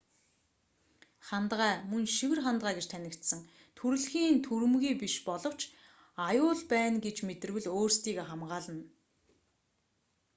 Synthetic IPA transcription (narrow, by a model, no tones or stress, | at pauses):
χant̪ʁæːmɵnʃiwɘ̆rχant̪ʁaæːɡet͡ɕt̪ʰænʲɪ̆kt̪sə̆ŋ | t̪ʰuɾɘ̆ɮxiːnt̪ʰuɾɘ̆mɣiːpiʃpɔɮɞ̆w̥t͡ɕ | ajʊːɮpæːnɡet͡ɕmet̪ɘ̆rwɘ̆ɮoːrst̪ʰiːɣeːχamɢaːɮə̆n